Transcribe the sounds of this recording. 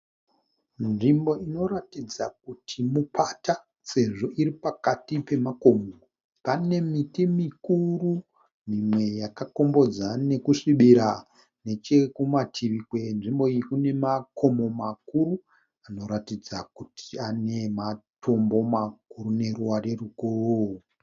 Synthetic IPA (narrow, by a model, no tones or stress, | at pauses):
nʐimbo̞ino̞ɾatid͡zak̚utʰimupata | se̞ʐo̞ʔiɾipakatipe̞mako̞moo | pane̞mitimikuru | mimwe̞jakako̞mbo̞d͡zane̞kuʂiɓiɾa | ne̞t͡ʃekumatʰiʋikwe̞nʐimbo̞ikune̞makʰo̞mo̞makuɾu | ano̞ɾatid͡zakutʰiane̞matʰo̞mbo̞makuɾune̞ruware̞rukorou